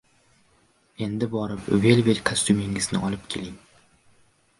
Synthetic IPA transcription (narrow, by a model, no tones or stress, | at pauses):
e̞nd̪ɪbɒɾɪpvelʲveɾkʰast̪ʰumɪŋɪznɪ̰ʔɒlˠɪpkʲʰe̞̰lɪŋ